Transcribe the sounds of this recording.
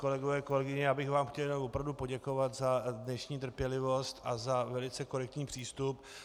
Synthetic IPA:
ko̞lɛɡovɛːko̞lɛɡɪɲɛjaːbɪxvaːmxcɛljnawvopɾavdupo̞ɟɛko̞vat̪zadnɛʃɲiːt̪̬r̩pjɛlɪvo̞st̪ʔazavɛlɪt͡sɛko̞ɾɛk̚t̪ɲiːpr̝̥iːst̪up

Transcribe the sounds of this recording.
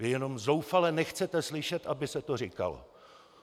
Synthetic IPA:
jɛno̞mzowfalɛnɛxt͡sɛt̪ɛslɪʃɛt̪ʔabɪsɛt̪orika̰lo̰

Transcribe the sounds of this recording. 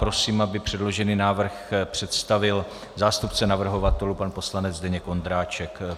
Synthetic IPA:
pɾosiːmabɪpr̝̥ɛdlo̞ʒɛniːnaːvr̩xpr̝̥ɛt̪st̪avɪl | zaːst̪upt͡sɛnavr̩ɦo̞vat̪ɛlupanpo̞slanɛd͡zdɛɲɛko̞nd̪ɾaːt͡ʃɛk

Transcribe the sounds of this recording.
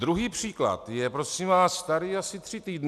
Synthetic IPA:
d̪ɾuɦiːpr̝̥iːkla̰t̪jɛpɾo̞simvaːsːt̪aɾiːasɪt̪r̥ɪt̪iːdn

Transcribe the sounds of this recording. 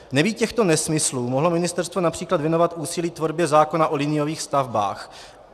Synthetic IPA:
nɛviːcɛxt̪o̞nɛsmɪsluːmoɦlo̞mɪnɪst̪ɛɾst̪vo̞napr̝̥iːklad̪vjɛno̞vat̪ʔuːsɪliːt̪vo̞ɾbjɛzaːko̞naʔo̞lɪnɪjoviːxst̪avba̰ːx

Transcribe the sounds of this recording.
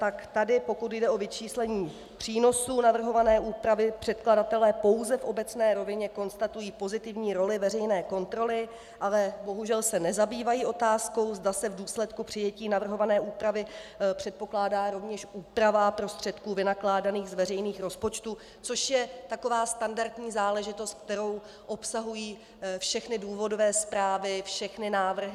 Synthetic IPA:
t̪akt̪adɪpo̞kut̪jdɛʔo̞vɪt͡ʃiːslɛɲiː | pr̝̥iːno̞suːnavr̩ɦo̞vanɛːʔuːpɾavɪpr̝̥ɛt̪kladat̪ɛlɛːpo̞wzɛfʔo̞bɛt͡snɛːɾo̞vɪɲɛko̞nst̪at̪ujiːpo̞zɪt̪ɪvɲiːɾo̞lɪvɛrɛjnɛːko̞nt̪ɾo̞lɪ | ʔalɛbo̞ɦuʒɛlsɛnɛzabiːvajiːʔo̞t̪aːsko̞wzdasɛvduːslɛt̪kupr̥ɪjɛciːnavr̩ɦo̞vanɛːʔuːpɾavɪpr̥ɛt̪̚po̞klaːdaːɾo̞vɲɛʃʔuːpɾavapɾo̞st̪r̝̥ɛt̪kuːvɪnaklaːdaniːɣzvɛrɛjniːxɾo̞spot͡ʃt̪u | t͡so̞ʃjɛt̪ako̞vaːst̪andaɾt̪ɲiːzaːlɛʒɪt̪o̞st̪k̚t̪ɛɾo̞w | ʔo̞psaɦujiː | fʃɛxnɪduːvo̞dovɛːspɾaːvɪfʃɛxnɪnaːvr̩ɦɪ

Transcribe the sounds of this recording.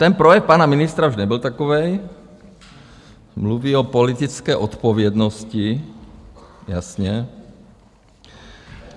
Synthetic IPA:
t̪ɛnpɾɔjɛk̚paːnaminist̪ɾauʒɲɛbɔlt̪akɔʋɛj | mluʋiɔpɔlit̪it͡skɛʔɔt̪pɔʋɪɛd̪nɔsci | jasɲɛ

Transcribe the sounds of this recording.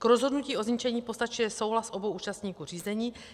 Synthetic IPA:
kɾozɦodnuciːo̞zɲit͡ʃɛɲiːpost̪at͡ʃujɛso̞wɦlasʔobowʔuːt͡ʃast̪ɲiːkuːr̝iːzɛɲiː

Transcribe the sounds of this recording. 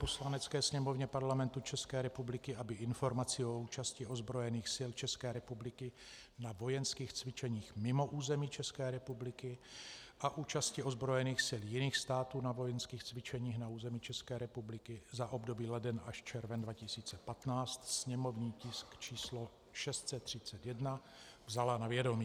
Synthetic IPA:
poslanɛt͡skɛːsɲɛmo̞vɲɛpaɾlamɛnt̪ut͡ʃɛskɛːɾɛpublɪkɪabɪʔɪnfo̞ɾmat͡sɪouːt͡ʃascɪo̞zbɾo̞jɛniːxsɪlt͡ʃɛskɛːɾɛpublɪkɪ | navo̞jɛnskiːxt͡svɪt͡ʃɛɲiːxmɪmo̞ʔuːzɛmiːt͡ʃɛskɛːɾɛpublɪkɪʔaʔuːt͡ʃascɪo̞zbɾo̞jɛniːxsɪljɪniːxst̪aːt̪uːnavo̞jɛnskiːxt͡svɪt͡ʃɛɲiːxnauːzɛmit͡ʃɛskɛːɾɛpublɪkɪzaʔo̞bdo̞biːlɛdɛnaʃt͡ʃɛɾvɛndvacɪsiːt͡sɛpat̪naːt͡st̪sɲɛmo̞vɲiːcɪskt͡ʃiːslo | ʃɛst̪sɛt̪r̝̥ɪt͡sɛt̪jɛdna | vzalanavjɛdo̞miː

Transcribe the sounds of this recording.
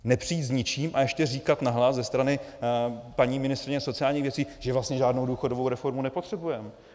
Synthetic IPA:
nɛpr̥iːt̪zɲɪt͡ʃiːmʔajɛʃcɛriːkat̪naɦlaszɛst̪ɾanɪ | paɲiːmɪnɪst̪ɾɪɲɛso̞t͡sɪjaːlɲiːxvjɛt͡siːʒ̥ɛvlast̪ɲɛʒaːdno̞wduːxo̞dovo̞wɾɛfo̞ɾmunɛpo̞t̪r̝̥ɛbujɛm

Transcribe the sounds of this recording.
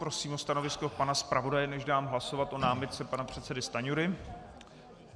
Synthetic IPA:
pɾo̞siːmost̪ano̞vɪsko̞panaspɾavo̞dajɛnɛʒdaːmɦlaso̞vat̪ʔo̞naːmɪt̪̚t͡sɛpanapr̝̥ɛt̪sɛdɪst̪aɲuɾɪ

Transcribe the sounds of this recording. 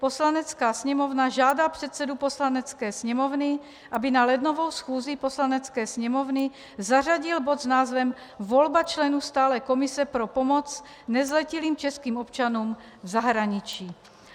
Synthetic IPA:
poslanɛt͡skaːsɲɛmovnaʒaːdapr̥ɛt̪sɛduposlanɛt͡skɛːsɲɛmovnɪ | ʔabɪnalɛd̪novowsxuːziposlanɛt͡skɛːsɲɛmovnɪ | zar̝aɟɪlbod̪znaːzvɛmvolbat͡ʃlɛnuːst̪aːlɛːkomɪsɛpɾopomot͡s | nɛzlɛciliːmt͡ʃɛskiːmopt͡ʃanuːm | vzaɦɾaɲɪt͡ʃiː

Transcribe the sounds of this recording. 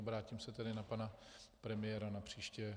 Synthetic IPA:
obɾaːcimsɛt̪ɛdɪnapanapɾɛmɪjɛɾanapr̝̥iːʃcɛ

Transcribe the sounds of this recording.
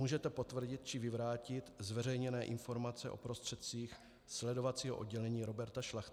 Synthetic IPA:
uːʒɛt̪ɛpo̞t̪vr̩ɟɪt̪̚t͡ʃɪvɪvɾaːcɪt̪zvɛrɛjɲɛnɛːʔɪnfoɾmat͡sɛ̰ʔo̞̰pɾo̞st̪r̥ɛt̪̚t͡siːx | slɛdo̞vat̪t͡siːɦo̞ʔo̞d̚ɟɛlɛɲiːɾo̞bɛɾt̪aʃlaxt̪

